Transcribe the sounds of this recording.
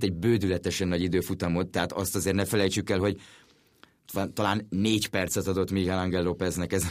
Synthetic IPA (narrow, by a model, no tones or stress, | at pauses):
t̪ɛɟbøːd̪ylɛt̪ɛʃɛnːɒɟid̪øːfut̪ɒmo̞t̪ːɛɦat̪ɒst̪ɒzeːrtnɛfɛlɛjt͡ʃykɛlɦo̞ɟ | t̪ɒlaːnneːcpɛrt̪sɛt̪ɒd̪o̞t̪miɡhɛlɒŋɡɛlːopɛznɛkɛz